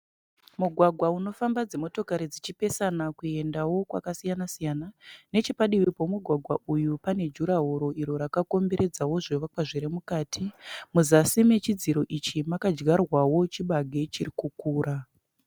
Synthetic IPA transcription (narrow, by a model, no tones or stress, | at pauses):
muɡʱwaɡʱwauno̞fambad͡zemo̞to̞kaɾid͡zit͡ʃipe̞sanakue̞ndawo̞kwa̰kasijanasijanane̞t͡ʃipaɗiʋipo̞muɡʱwaɡʱwaʔujupane̞d͡ʒuɾaɦo̞ɾo̞iɾo̞ɾakako̞mbe̞ɾe̞d͡zawo̞ʐeʋakwaʐiɾemukaːtʰimuzasime̞t͡ʃid͡ziɾo̞ʔit͡ʃimakad͡ʒɡarwawo̞t͡ʃiɓaɡʱe̞t͡ʃirikukuːɾʔa